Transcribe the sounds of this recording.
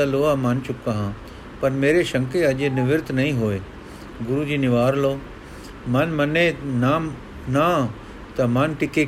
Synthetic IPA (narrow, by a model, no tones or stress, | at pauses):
ɐloːamɐnt͡ʃʊkːaɦãː | pɐnmeːɾeʃɐ̃ŋkeɐʄenɪʋɪɾt̪nɐɦĩɦoːe | ɡʊɾud͡ʑiːnɪʋaːɾloː | mɐnmɐnena | na | t̪ɐmɐnʈɪke